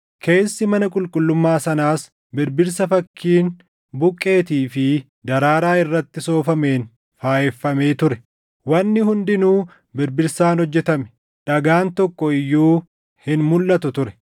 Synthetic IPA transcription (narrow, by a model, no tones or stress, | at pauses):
kʰe̞ːsːɪmɐnɐkʼʊlkʼʊlːʊmːaːsɐnaːs | bɪɾbɪɾsɐfɐkːiːn | bʊkʼːe̞ːt̪iːfɪ | d̪ɐɾaːɾaːɪrːɐt̪ːɪso̞ːfɐme̞ːn | faːʔɛfːɐmeːt̪ʊɾɛ | wɐnːɪɦʊnd̪ɪnuː | bɪɾbɪɾsaːnhɔd͡ʒːɛt̪ɐmɛ̥ | ᶑɐɡaːnt̪ɔkːɔɪjːuː | hɪnmʊlːɐt̪ʊt̪ʊɾɛ̥